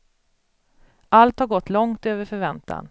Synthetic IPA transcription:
ʔalt̪haɾɡɔt̪ːlɔŋt̪øːvəɾfœɾvɛnt̪ʰa̰n

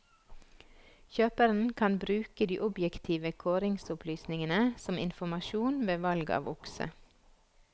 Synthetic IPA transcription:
çøːpəɾn̩kʰɑnbɾʉːkəd̪ḭːʔʊbjɛkt̪ʰiːʋəkʰoːɾɪŋsʊplyːsnɪŋənəsɔmɪ̰nfɔmɑʃuːnʋeːʋɑlɡɑ̰ːʋʔʊksə̰

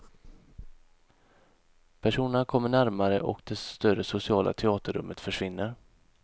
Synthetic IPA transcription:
pʰæʂuːnəɳkʰɔmːəɳæɾmaɾə̰ʔɔ̰kd̪ɛst̪œrəsʊsɪɑːlʔa̰t̪ʰɛɑːt̪əɾɵ̰mːət̪fœʂvɪnːəɾ

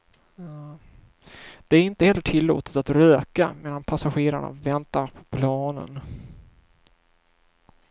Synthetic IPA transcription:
d̪̥ɛæɾɪnt̪əhɛlːəʈʰɪlːo̰ːt̪ə̥t̪at̪ɾøːkameːd̪anpʰasaɧeːɾa̰ɳa̰vɛnt̪aɾpʰɔ̥pʰlɑːnə̰n

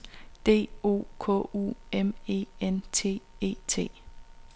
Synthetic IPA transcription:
d̥e̝̰ːo̝̰ːkʰɔ̰̽ṵeme̝̰ːent͡sʰe̝̰ːe̝̰ːt͡sʰe̝̰ː

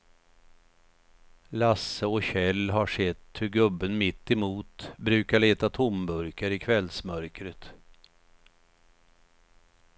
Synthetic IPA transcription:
lasːəɔɕɛlːɦaʂɛt̪ːhɵɾɡɵbːənmɪt̪ːɛmuːt̪bɾʉ̟ːkaɭeːt̪at̪ʰʊmbɵɾkaɾɪkʰvɛlsmœɾkɾət̪

